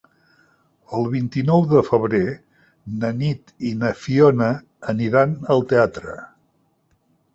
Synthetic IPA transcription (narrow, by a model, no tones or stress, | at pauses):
əlˠβint̪inɔwðəfəβ̞ɾe | nənit̪inəfionə | əniɾanəlˠt̪eat̪ɾə̰